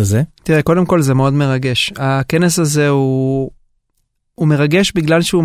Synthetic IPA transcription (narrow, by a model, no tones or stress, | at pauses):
zet̪iʁeko̞de̞mko̞lzemeo̞dme̞ʁaɡe̞ʃake̞nesaze̞u | me̞ʁaɡe̞ʃbiɡlalʃeu